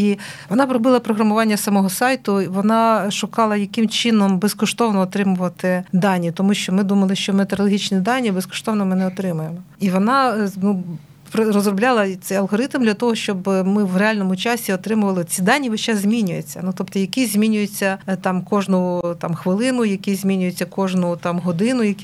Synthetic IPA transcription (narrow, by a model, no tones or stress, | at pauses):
iʋɔnɑpɾɔbɪlˠɐpɾɔɦɾɐmʊʋɑnʲːɐsɐmɔɦɔsɑjt̪ʊʋɔnɑʃʊkɑlˠɐjɐkɪmt͡ʃɪnɔmbeskɔʃt̪ɔʋnɔːt̪ɾɪmʊʋɐt̪ɪd̪ɑnʲːit̪ɔmuʃt͡ʃɔmɪd̪umɐlˠɪʃt͡ʃɔmet̪eɾɔlˠɔɦʲit͡ʃnʲid̪ɑnʲːibeskɔ̥ʃt̪ɔʋnɔmɪnɛɔt̪ɾɪmʊjemɔiʋɔnɑnu | pɾrɔzrɔblʲɑlˠɐt̪ɛjɐlˠɦɔɾɪt̪md̪lʲɐt̪ɔɦɔʃt͡ʃɔbmɪʋreɑlʲnɔmʊt͡ʃɑsʲiɔt̪ɾɪmʊʋɐlˠɪt͡sʲid̪ɑnʲːiʋɪʃt͡ʃɛzʲmʲinʲʊjet͡sʲːɐnut̪ɔpt̪ɔjɐkʲizʲmʲinʲʊjet͡sʲːɐt̪ɑmkɔʒnʊt̪ɑmxʋɪlˠɪnʊjɐkʲizʲmʲinʲʊjet͡sʲːɐkɔʒnʊt̪ɑmɦɔd̪ɪnʊjɐkʲi